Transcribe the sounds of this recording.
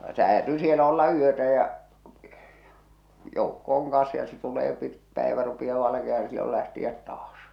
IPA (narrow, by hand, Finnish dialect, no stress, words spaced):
se hæːtyː sielæ olːɑ yøtæ jɑ joukːo oŋ kɑ̃ːs jɑ se tuleː pit pæˑeʋæ rupij̆ɑː ʋɑlɑkiɑh̞ɑn n̆ĭ silːol læhtiæt tɑːs